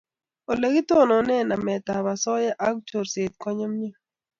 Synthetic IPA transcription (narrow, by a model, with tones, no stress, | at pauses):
o˨le˨ɡi˦t̪ɔ˦˨nɔ˨nɛ˦na˨mɛ˨ta˨ba˨sɔ˦jɛ˦ʔa˦k̚to˨ɾse˨t̪̚kɔ˦ɲɔ˦mni˦